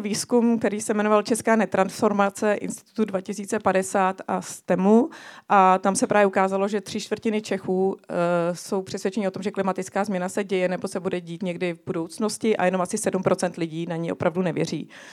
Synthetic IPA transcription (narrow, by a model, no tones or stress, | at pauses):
viːskumk̚t̪ɛɾiːsɛmɛno̞valt͡ʃɛskaːnɛt̪ɾansfo̞ɾmat͡sɛʔɪ̰nst̪ɪ̥t̪u̥t̪udvacɪsiːt͡sɛpadɛsaːt̪ast̪ɛmuʔat̪amsɛpɾaːvjɛʔukaːzalo̞ʒɛt̪r̝̥ɪʃt̪vr̩cɪnɪt͡ʃɛxuː | so̞wpr̥ɛsvjɛt͡ʃɛɲiot̪o̞mʒɛklɪmat̪ɪt͡skaːzmɲɛnasɛɟɛjɛnɛbo̞sɛbudɛɟiːt̪ɲɛɡdɪvbudo̞wt͡snoscɪʔa̰jɛno̞mʔasɪsɛdumpɾo̞t͡sɛnt̪lɪɟiːnaɲio̞̰pɾavdunɛvjɛ̰r̝ḭː